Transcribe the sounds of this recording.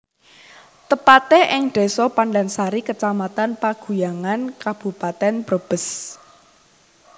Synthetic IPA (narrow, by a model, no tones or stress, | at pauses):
t̪əpat̪eʔɪŋɖ̥e̤sɔpanlansaɾikət͡ʃamat̪anpaɡ̥ṳjaŋankab̥ṳpat̪ɛnb̥ɾəb̥ə̤s